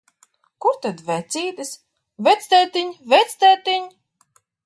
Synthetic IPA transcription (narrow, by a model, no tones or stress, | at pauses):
kuɾt̪ad̪vɛt̪sʲiːt̪ɨs | vɛt̪sʲt̪ɛt̪iɲvɛt̪sʲt̪ɛt̪iɲ